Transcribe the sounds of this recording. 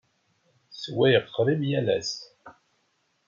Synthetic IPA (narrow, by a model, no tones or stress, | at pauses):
swæjəʁqːɾˤimjælæ̰s